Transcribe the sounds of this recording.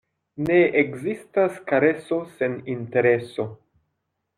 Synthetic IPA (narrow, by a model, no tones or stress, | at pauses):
ne̞ːkzistaskaɾe̞so̞se̞ninte̞ɾe̞so̞